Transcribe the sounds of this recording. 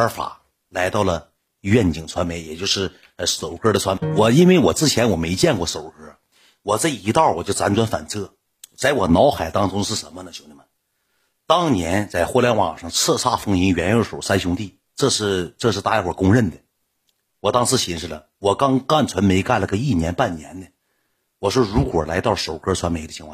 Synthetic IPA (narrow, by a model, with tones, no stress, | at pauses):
fa̰˨˩˦ | la˧˥ɪt̪ɑ˥˩ʊlə˩ | ɥɛ˥˩nt͡ɕi˨˩ŋt͡sʰwa˧˥nme˧˥ɪjɛ˨˩t͡ɕjo˥˧ʊʂɻ̩˥˩˧ | so˨˩ʊkə˥d̪ə˨t͡sʰwa˧˥nme˧˥ɪwɔ˨˩i˥nwe˥˩ɪwɔ˨˩t͡sɹ̩˥˧˩t͡ɕʰjɛ˧˥nwɔ˨˩me˧˥ɪt͡ɕjɛ˥˧nkwɔ˥˧so˨˩ʊkə˥˨ | wɔ˨˩t͡sa˥˩i˧˥t̪ɑ˥˩wɔ˨˩t͡ɕjo˥˩ʊt͡sa˧˥nt͡sʰwa˧˥nfa̰˨˩nt͡sʰɤ˥˩ | t͡sa˥˩ɪwɔ˨˩nɑ˧˥ʊxa˨˩ɪt̪ɑ˥ŋʈ͡ʂʊ˥ŋʂɻ̩˥˩ʂə˧˥nmə˧nə˨t͡ɕjo˧˥ʊni˧˩mə˧n | t̪ɑ˥ŋnjɛ˧˥nt͡sa˥˧ɪxwɔ˥˧ljɛ˥˧nwɑ̰˨˩ŋʂɑ˥˧ŋt͡sʰɤ˥˧sʰa˥˩fɤ˥ŋi˧˥ŋɥɛ˧˥njo˧˥ʂo˨˩ʊsa˥nɕjʊ˥ŋt̪i˥˩ | ʈ͡ʂɤ˥˧ʂɻ̩˥˧ʈ͡ʂɤ˥˧ʂɻ̩˥˧t̪a˥˧jɛ˥˩wɔ˨˩kʊ˥ŋɻə˥˩nd̪ə˩ | wɔ˨˩t̪ɑ˥ŋsɹ̩˥ɕi˧˥ŋʂɻ̩˥˩lə̰˩ | wɔ˨˩kɑ˥ŋka˥˩nt͡sʰwə˧˥nme˧˥ɪka˥˩lə˩ə˧˥i˥˩njɛ˧˥npa˥˩nnjɛ̰˧˥nd̪ə˨ | wɔ˨˩ʂwɔ˥ɻu˧˥kwɔ˨˩la˧˥ɪt̪ɑ˥˩ʊʂo˨˩ʊkʰə˞˥t͡sʰwa˥nme˧˥ɪd̪ə˩t͡ɕʰi˧˥ŋkʰɑ̰̃˥˧